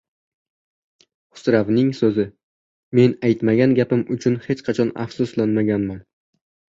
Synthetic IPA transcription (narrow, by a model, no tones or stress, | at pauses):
hʊ̥sɾavnɪŋsɵzɪ | me̞najt̪maɡʲanɡʲapɪmʊt͡ʃʰʊnhe̞t͡ʃqʰɑt͡ʃʰɒna̰fsʊslanmaɡʲanman